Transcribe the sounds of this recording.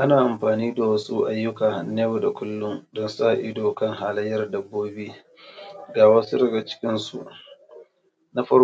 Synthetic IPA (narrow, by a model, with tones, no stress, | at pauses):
ʔa˦naː˨ʔa˨mɸaː˨niː˦da˨wɐ˦sṵ˦ʔa˦jːʊ˦kaː˨neː˦bo˨da˨kʷʊ˦lːʊ˦ŋdɔ˦nsa˦˨ʔɪ˦doː˨kɐ˦ŋɦaː˨lɐ˦jːɐ˨rdɐ˦bːoː˦beː˦ | ɡaː˨wɐː˦su˦ɾɪ˨ɡa˨t͡ʃɪ̥˦kʲɪ˦nsṵ˨ʔ | na˦ɸɐ˦